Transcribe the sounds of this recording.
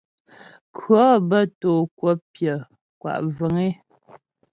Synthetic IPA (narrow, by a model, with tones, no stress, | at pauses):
kʰɰɔ˦bə˦toː˨kwɔ˦pjə˨ | kwa̰˨ʔvə˨ŋe˦